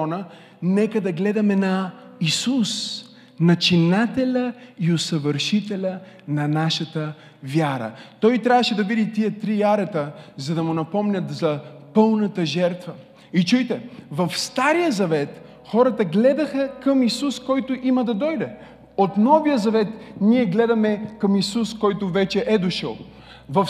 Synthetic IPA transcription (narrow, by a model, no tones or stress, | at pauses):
ɔnə | nɛkəd̪ɐɡlɛd̪ɐmɛnɐisus | nɐt͡ʃinat̪ɛlʲəiosəvəɾʃit̪ɛlʲə | nɐnaʃət̪ə | vjaɾə̰t̪ɔjt̪ɾʲavəʃɛd̪ɐvid̪it̪iət̪ɾiaɾɛt̪əzɐd̪ɐmʊnɐpɔmnʲɐt̪zɐpɤlˠnɐt̪əʒɛɾt̪və | it͡ʃujt̪ɛvɐfst̪aɾijəzɐvɛt̪ | xɔɾət̪əɡlɛd̪ɐxəkɐmisuskɔjt̪ʊʔimɐd̪ɐd̪ɔjd̪ɛ | ot̪nɔvijəzɐvɛt̪niɛɡlɛd̪ɐmɛkɐmisuskɔjt̪ʊvɛt͡ʃɛʔɛd̪oʃə̰lˠ | vɐf